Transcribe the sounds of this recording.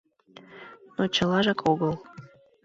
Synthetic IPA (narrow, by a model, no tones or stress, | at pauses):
not͡ɕəlɑʒɑkʰoɣəlˠ